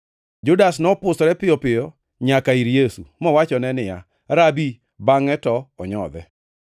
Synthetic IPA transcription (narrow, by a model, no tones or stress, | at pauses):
d͡ʒʊdasnɔpʊsɔɾɛpɪjɔpɪjɔ | ɲakaiɾjesṵmɔwat͡ʃɔnɛnɪja̰ | ɾabi | baŋɛtɔɔɲɔ̰d̪ɛ